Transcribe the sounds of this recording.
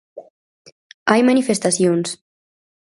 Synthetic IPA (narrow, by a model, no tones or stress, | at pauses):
ajmanifest̪asions